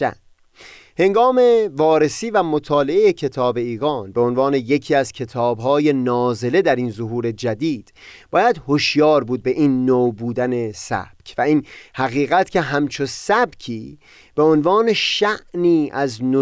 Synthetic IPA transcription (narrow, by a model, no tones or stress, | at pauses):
æ̰ | he̞ŋɡɒːme̞vɒːɾe̞siːvæmot̪ʰɒːle̞ejecʰe̞t̪ʰɒːbe̞iːɣɒːnbe̞o̞nvɑːne̞je̞cʰiːæzcʰe̞t̪ʰɒːbɦɒːje̞nɒːze̞le̞d̪æɾiːnzoɦuːɾe̞d͡ʒæd̪iːd̪̥b̥ɒːjæd̪hoʃjɒːɾbuːd̪̚be̞ʔiːnːowbuːd̪æne̞sæ̰b̥cʰvæiːnhæɣiːɣæt̪cʰe̞ɦæmt͡ʃʰosæbcʰiː | b̥e̞onvɒːne̞ʃæʔniːæzno